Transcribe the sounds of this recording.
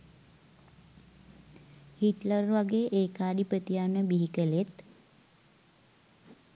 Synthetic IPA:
hiʈlərʋaɡeːʔːkaːd̪ipət̪ijanəbiɦikəlet̪

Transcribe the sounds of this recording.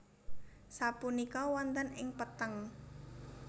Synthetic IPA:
sapunikɔwɔnt̪ənɪŋpət̪əŋ

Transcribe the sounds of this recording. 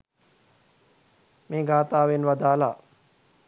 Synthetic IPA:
meːɡaːt̪aːʋenʋɐd̪aːla̰ː

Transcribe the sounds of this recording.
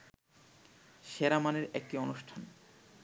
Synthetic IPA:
ʃeɾamaneɾɛk̚ʈionuʃʈʰan

